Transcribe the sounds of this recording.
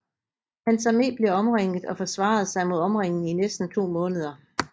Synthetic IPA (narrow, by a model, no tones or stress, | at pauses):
hænsɑme̝̰ːb̥le̝ɒ̽mʁeŋ̰əð̩ˠɒ̽fɒ̽sʋɑ̰̈ð̞̩ˠsɑ̈ɪmo̝ð̞ˠɒ̽mʁeŋ̰n̩inesd̥n̩t͡sʰo̝̰ːmɔ̽ːnəð̞ˠɐ